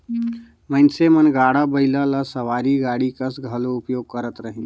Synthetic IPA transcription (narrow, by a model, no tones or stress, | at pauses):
mənsemənɡaːɽabəɪlalasəʋaːɾiɡaːɽikəsɡʱəloʊpjoːɡ̚kəɾət̪ɾəɦĩ